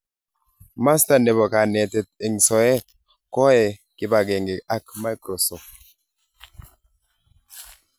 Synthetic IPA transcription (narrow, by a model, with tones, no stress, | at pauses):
ma˦st̪a˨nɛ˨βɔ˨ka˨nɛ˨t̪ɛ˨t̪̚ɛ˨ŋsɔ˨ɛ˦ | kɔ˦ɛ˨ki˦ba˨ɡe˨ŋɡɛ˨a˦kma˦jkɾo˨sɔ˨